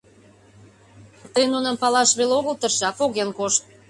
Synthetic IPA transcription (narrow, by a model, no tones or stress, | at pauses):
t̪əjnunəmpɑlɑʃβeloɣəlt̪ərʃɑpoɣenkoʃt̪̚